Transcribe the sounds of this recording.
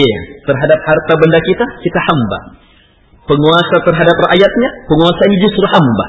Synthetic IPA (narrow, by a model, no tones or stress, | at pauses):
ja̰t̪ərɦadap̚hart̪abəndakit̪akit̪ahamba̰ | pəŋuasat̪ərɦadap̚raʔjat̪̚ɲapəŋuasaiɲad͡ʒʊst̪ɾʊhamba̰